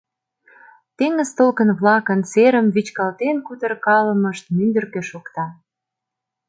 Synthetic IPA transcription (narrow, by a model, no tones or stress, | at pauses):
t̪eŋə̆zt̪olkənβlɑkənt͡seɾəmvit͡ɕkɑlt̪enkut̪ərkɑləməʃt̪̚mynd̪ə̆rkøʃokt̪ɑ